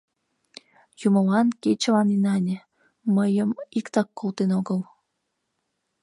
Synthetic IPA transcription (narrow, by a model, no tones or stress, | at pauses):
jumə̆lɑnket͡ɕəlɑninɑnʲə̆ | məjəmikt̪ɑkːolt̪enoɡəl